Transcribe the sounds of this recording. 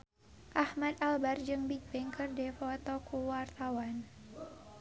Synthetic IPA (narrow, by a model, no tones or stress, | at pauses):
ʔahmad̪albard͡ʒɨŋbik̚pɪŋkɨrdɛfɔt̪ɔkuwart̪awan